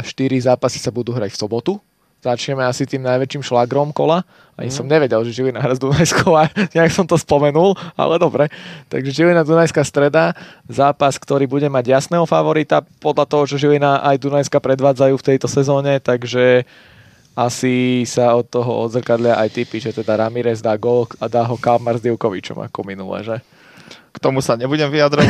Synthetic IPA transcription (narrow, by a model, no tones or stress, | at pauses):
aʃt̪iɾizaːpasi̥sabud̪uːɦɾa̰cfsɔbɔt̪u | z̥at͡ʃɲɛmɛasit̪iːmnajʋɛt͡ʃiːmʃlaɡɾɔmkɔ̰la | a̰ɲisɔmɲɛʋɛɟɛlʒɛʒilinaɦɾazd̪unajskʰɔʊaɲaksɔmt̪ɔspɔmɛnulˠa̰lɛd̪ɔbɾɛt̪a̰ɡʒɛʒilinad̪unajskast̪ɾɛd̪azaːpaskt̪ɔɾiːbuɟɛmaɟjasnɛːɦɔfaʋɔɾit̪apɔd̪lʎat̪ɔɦɔt͡ʃɔʒilinaʔajd̪unajskapɾɛd̪ʋaːd͡zajuːft̪ɛjt̪ɔsɛzɔːɲɛt̪aɡʒɛ | asisaɔt̪ːɔɦɔɔ̰d̪zr̩kad̪lɪaʔajt̪ipiʒɛt̪ɛd̪aɾamiɾɛzd̪aːɡɔlkad̪aːɦɔkamɛɾzd̪iʊkɔʋit͡ʃɔ̰ma̰kɔminulɛ̰ːʒɛ | kt̪ɔmusaɲɛbuɟɛmʋiad̪ɾɔ